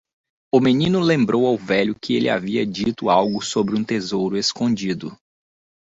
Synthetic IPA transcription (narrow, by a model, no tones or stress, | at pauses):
ʊmenĩnʊlẽmbɾowawvɛʎʊkɪelʔɪa̰viɐd͡ʒit̪ʊawɡʊsobɾɪũt̪ezowɾʊeskõd͡ʒid̪ʊ̰